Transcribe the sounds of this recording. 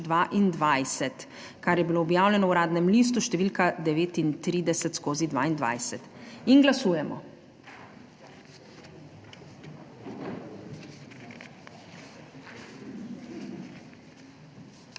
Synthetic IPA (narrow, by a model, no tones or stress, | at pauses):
d̪ʋaʔind̪ʋajsɛt̪ | kaɾjɛbiloːbjaːwlʲɛnɔwɾaːd̪nɛmliːs̬t̪uʃt̪ɛʋiːlkad̪ɛʋeːt̪int̪ɾiːd̪ɛsɛt̪skoːzid̪ʋa̰ːind̪ʋa̰jsɛt̪inɡlasuːjɛmɔ̰